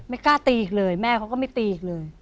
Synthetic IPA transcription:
ma˥˩jkaː˥˩t̪iː˧˩k̚lɤː˧jmɛː˥˩kʰa˦wkɔ˥˩ma˥˩jt̪iː˧˩k̚lɤː˧j

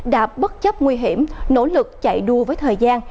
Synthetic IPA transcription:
ɗa̰ː˧˥ɓə˦˥t̚t͡ɕə˦˥p̚ŋwi˧ɦi˧˩əmno̰˧˥lɨ˨˩k̚t͡ɕa̰˧˨jɗu˧˩əvəː˨˦jt̪ʰəː˨˩jzaː˧n

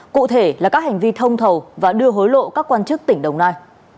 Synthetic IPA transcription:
kṵ˧˨t̪ʰe˧˩laː˨˩kaː˦˥ha˨˩ŋ̟vi˧t̪ʰə˧wŋ͡mt̪ʰə˨˩wvaː˨˩ɗɨ˧əɦo˨˦jlo̰˧˨kaː˦˥kːwaː˧nt͡ɕɨ˦˥k̚t̪ï˧˩ŋ̟ɗə˨˩wŋ͡mnaː˧j

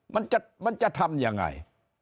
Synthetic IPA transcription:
ma˧˦nt͡ɕa˧ma˧nt͡ɕa˧˩t̪ʰa˧mja˨ŋːa̰˧˩j

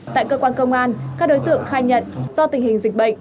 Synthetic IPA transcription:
t̪a̰ː˧˨jkəː˧kwaː˧nkə˧wŋ͡mʔaː˧nkaː˦˥k̚ɗo˨˦jt̪ɨ̰˧˨əŋxaː˧˩jɲə̰˧˨nzɔ˧t̪ï˨˩ŋ̟hï˨˩ŋ̟zï˨˩k̟̚ɓə̰˧˨jŋ̟

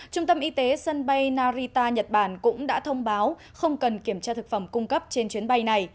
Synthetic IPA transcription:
t͡ɕʊ˧ŋ͡mt̪ə˧mʔi˨˧t̪e˨˦sə˧nɓa˧jnaː˧zi˧t̪aː˧ɲə˨˩t̚ɓaː˧˩nkʊ̰˧˥ŋ͡mɗa̰ː˧˥t̪ʰə˧wŋ͡mɓaː˨˦w | xə˧wŋ͡mkə˨˩nki˧˩əmt͡ɕaː˧t̪ʰɨ˨˩k̚fə˧˩mkʊ˧ŋ͡mkə˦˥p̚t͡ɕe˧nt͡ɕwi˨˦ənɓa˧jna˨˩j

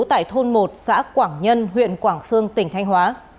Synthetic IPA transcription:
wt̪a̰ː˧˨jt̪ʰo˧nmo˨˩t̚sa̰ː˧˥kwaː˧˩ŋɲə˧nɦwḭ˧˨ənkwaː˧˩ŋsɨ˧əŋt̪ï˧˩ŋ̟t̪ʰa˧jŋ̟ɦwaː˨˦

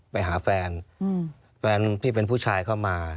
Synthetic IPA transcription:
pa˧jɦaː˩˦fɛː˧n | fɛː˧nt̪ʰiː˥˩pe˧npʰuː˥˩t͡ɕʰaː˧jkʰaː˥˩wmaː˧

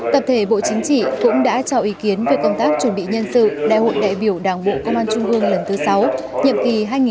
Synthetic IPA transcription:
t̪ə˨˩p̚t̪ʰe˧˩ɓo̰˧˨t͡ɕï˨˦ŋ̟t͡ɕḭ˧˨kʊ̰˧˥ŋ͡mɗa̰ː˧˥t͡ɕɔ˧˩ʔi˨˦ki˨˦ənve˨˩kə˧wŋ͡mt̪aː˦˥k̚t͡ɕu˧˩nɓḭ˧˨ɲə˧nsɨ̰˧˨ɗa̰ː˧˨jho̰˧˨jɗa̰ː˧˨jɓi˧˩əwɗaː˨˩ŋɓo̰˧˨kə˧ŋ͡mʔaː˧nt͡ɕʊ˧ŋ͡mʔɨ˧əŋlə˨˩nt̪ɨ˨˦sa˨˦w | ɲə̰˧˨mki˨˩ɦaː˧jŋi˨

